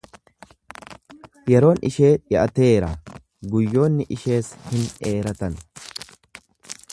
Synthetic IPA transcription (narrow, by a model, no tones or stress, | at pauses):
jɛɾo̞ːnɪ̰ʃe̞ːᶑɪʔɐt̪e̞ːɾɐ | ɡʊjːo̞ːnːɪʔɪʃe̞ːshɪneːɾɐt̪ɐn